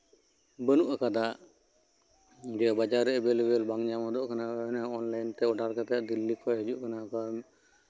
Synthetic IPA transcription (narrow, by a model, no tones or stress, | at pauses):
bənuʔakad̪aʔ | d͡ʒɛbad͡ʒaɾːɛʔɛbɛlɛbɛlbaŋd͡ʒamɔd̪ɔʔkananaɔnlajnt̪ɛɔɖaɾkat̪ajaʔd̪ilːikʰɔjɦəd͡ʒuʔkanaka